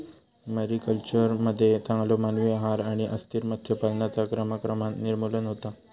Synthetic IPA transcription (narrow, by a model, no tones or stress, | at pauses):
məɾikəlt͡ɕəɾməd̪ʱːjet͡sãŋɡlomanʋeɦaɾaɽ̃iʔəst̪iɾmət̪ʰːjəpalnjat͡sakɾəməkɾəmat̪niɾmulənɦot̪a